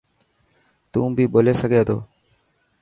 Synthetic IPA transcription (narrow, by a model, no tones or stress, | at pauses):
t̪ũːbʱiːɓoːleːsəɡʱeːd̪o̰ː